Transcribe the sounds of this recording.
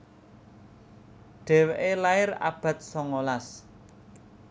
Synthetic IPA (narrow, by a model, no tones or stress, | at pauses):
ɖ̥ɛ̤weʔelaɪra̰b̥a̤t̪̚sɔŋolas